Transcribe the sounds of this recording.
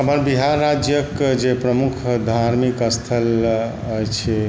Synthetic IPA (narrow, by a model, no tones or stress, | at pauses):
əpənbiɦaɾːad͡ʒjəkd͡ʒepɾəmukʰd̪ʱaɾmikəst̪ʰəl | əjt͡ʃʰɛ